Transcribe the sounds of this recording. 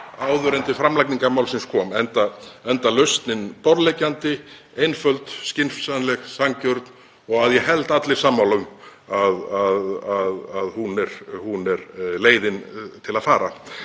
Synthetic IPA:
aːwðʏɾɛnt̪ɪfɾamlajk̚niŋkaɾmawlsɪnskʰɔːmɛnt̪aɛnt̪alœst̪nɪnpɔɾlejcːant̪ɪ | ejnfœlt̪scɪnfsanlɛxsaŋcœɾt̪n | ɔɣaðjɛɦɛlt̪at̪lɪɾ̥samːawlʏm | aðaðaðaðhunɛɾhunɛɾleːjðɪnt̪ʰɪlaðfaːɾa

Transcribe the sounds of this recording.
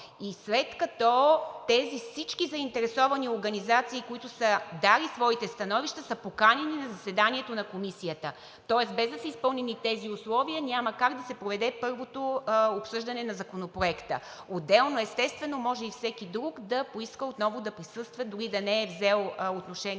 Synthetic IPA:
islɛt̪kɐt̪ɔt̪ɛzifsit͡ʃkizɐint̪ɛɾɛsɔvɐnioɾɡɐnizat̪siːkoit̪ʊsəd̪alisvɔit̪ɛst̪ɐnɔviʃt̪əsəpokanɛninɐzɐsɛd̪aniɛt̪onɐkomisijət̪ə | t̪ɔɛsbɛzd̪ɐsɛispɤlˠnɛnit̪ɛziʊslˠɔviənʲaməkaɡd̪ɐsɛpɾovɛd̪ɛpɤɾvot̪oopsɤʒd̪ɐnɛnɐzɐkonopɾoɛkt̪ə̰ | od̪ɛlˠnoɛst̪ɛst̪vɛnomɔʒɛifsɛkid̪ɾuɡd̪ɐpoiskəot̪nɔvod̪ɐpɾisɤst̪vɐd̪ʊɾid̪ɐnɛːvzɛlˠot̪noʃɛn

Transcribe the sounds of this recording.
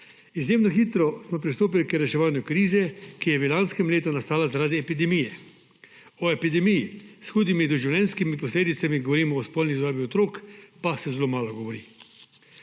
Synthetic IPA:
izjeːmnɔxiːt̪ɾɔsmɔpɾist̪oːp̬ilikɾɛʃɛʋaːnjukɾiːzɛkijɛʋilanskɛmleːt̪unast̪aːlazaɾaːd̪iɛpid̪ɛmijɛ | ɔɛpid̪ɛmijisxuːd̪imid̪ɔʒiwlʲjɛnskimipɔsleːd̪it̪samiɡɔʋɔɾiːmɔːspɔlnizd̪aːbiɔt̪ɾoːkpasɛzɛloːmaːlɔɡɔʋɔɾiː

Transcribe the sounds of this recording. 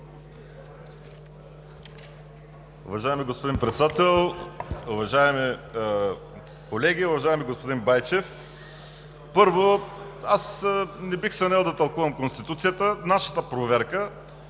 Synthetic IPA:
ʊ̰vɐʒaɛmiɡospod̪inpɾɛt̪sɛd̪at̪ɛlˠʊvɐʒaɛmi | kolɛɡʲiʊvɐʒaɛmiɡospod̪inbajt͡ʃɛf | pɤɾvoasnɛbixsɐnɛlˠd̪ɐt̪ɐlˠkuvɐmkonst̪it̪ut̪sijət̪ənaʃə̥t̪əpɾovɛɾkə

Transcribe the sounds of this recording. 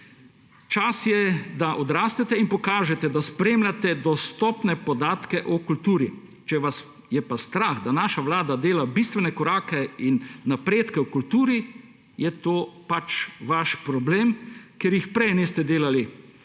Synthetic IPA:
t͡ʃasjɛd̪aʔɔd̪ɾaːst̪ɛt̪ɛinpɔkaːʒɛt̪ɛd̪aspɾeːmlʲat̪ɛd̪ɔst̪ɔpnɛpɔd̪aːt̪kɛʔɔkult̪uːɾi | t͡ʃɛʋas | jɛpast̪ɾaxd̪anaːʃaʋlaːd̪ad̪eːlabist̪ʋɛnɛkɔɾaːkɛinːapɾeːt̪kɛwkult̪uːɾi | jɛt̪oːpat͡ʃʋaʃpɾɔbleːmkeɾjixpɾɛjnist̪ɛd̪eːlali

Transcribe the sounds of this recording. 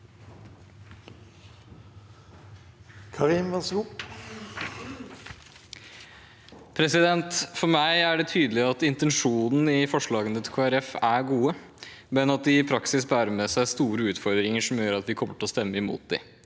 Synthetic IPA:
kʰɑʁiːmʋɛsɡuː | pʰɾɛsɪd̪ɛnt̪fɔɾmæɪæɖɛt̪ʰyːd̪əlɪɑt̪ɪnt̪ɛnʂuːnn̩ɪfɔʂɭɑːɡənət̪ʰɪlkʰoːæɾɛfæɡuːə | mɛnɑt̪̚d̪ɪɪpʰɾɑksɪs̬bæːɾəmɛːsæɪst̪uːɾəʉːt̪fɔɾd̪ɾɪŋəʂɔmjøːɾɑt̪ʋɪkʰɔmːəʈɔst̪ɛmːəɪmṵːt̪̚d̪ɪ̰

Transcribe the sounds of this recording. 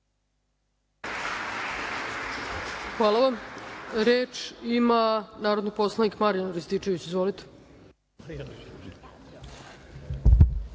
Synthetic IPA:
xʋaːlˠaʋamɾeːt͡ʃimanaːɾod̪nipo̞slˠanikmaɾijanɾist̪it͡ʃeʋit͡ɕizʋolit̪e̥

